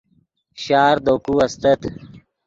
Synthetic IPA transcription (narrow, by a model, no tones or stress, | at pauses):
ɕaːɾd̪oːkuɐst̪ət̪